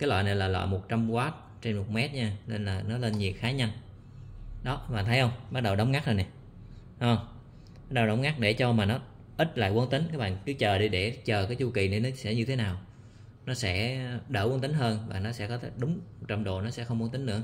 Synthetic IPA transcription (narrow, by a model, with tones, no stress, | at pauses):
kaː˨˦jlwa̰˧˨nə˨˩jlaː˨˩lwa̰ː˧˨˩mo˨˩t̚t͡ɕa˧mkwaː˨˦˥t̚ | t͡ɕe˧nmo˨˩t̚mɛ˦˥t̚ɲaː˧le˧nlaː˨˩nɔ˨˦le˧nɲi˨˩əxaː˨˦ɲə˧n | ɗɔ˨˦ɓa̰ː˧˨˩nt̪ʰə˨˦jhə˧wŋ͡mɓa˦˥t̚ɗə˨˩wɗə˨˦wŋ͡mŋa˦˥k̚zə˨˩jnɛ˨˩˧ | ɓa˦˥t̚ɗə˨˩wɗə˨˦wŋ͡mŋa˦˥k̚ɗe˧˩t͡ɕɔ˧maː˨˩nɔ˨˦ | ʔi˦˥t̚la̰ː˧˨jkwə˧nt̪ï˨˦ŋ̟kaː˦˥jɓa̰ː˧˨kɨ˨˦t͡ɕəː˨˩ɗi˧ɗe˧˩t͡ɕəː˨˩kaː˨˦jt͡ɕu˧ki˨˩ni˨˧˩nɔ˨˦sɛ̰˧˥ɲɨ˧t̪ʰe˨˦naː˨˩w | nɔ˨˦sɛ̰˧˥ɗə̰ː˧˩wə˧nt̪ï˨˦ŋ̟ɦəː˧nvaː˨˩nɔ˨˦sɛ̰˧˥kɔ˨˦t̪ʰe˨˦ɗʊ˨˦ŋ͡mo˨˩t̚t͡ɕa˧mɗo˨˩nɔ˨˦sɛ̰˧˥xə˧wŋ͡mkwnt̪ï˨˦ŋ̟nɨ̰˧˥ə